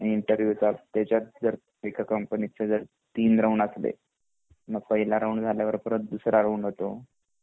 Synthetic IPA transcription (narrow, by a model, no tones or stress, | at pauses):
iɳʈəɾʋjut͡sat̪jat͡ɕjat̪̚d͡zəɾ | ekʰakəmpənit͡sed͡zəɾ | t̪iːnɾəuɳəslḛ | məɡ̚pəɦilaɾəuɳd͡zʱaljaʋəɾpəɾət̪d̪usɾʔaɾəuɳɦot̪o